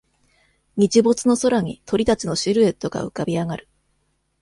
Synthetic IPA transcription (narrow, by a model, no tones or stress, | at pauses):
ɲ̟it͡ɕibo̞t͡sɨno̞so̞ɾaɲ̟ḭt̪ʰo̞ɾʲit̪at͡ɕino̞ɕiɾɯ̟et̪ːo̞ɡa̰ɯ̟kabʲiaɡaɾɯ̟̥